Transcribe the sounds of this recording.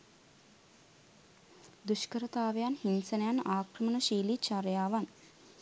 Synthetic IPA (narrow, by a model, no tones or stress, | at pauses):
d̪uʃkəɾət̪aːʋejanhinsənəjanaːkrəmənəʃiːlit͡ʃaɾjaːʋan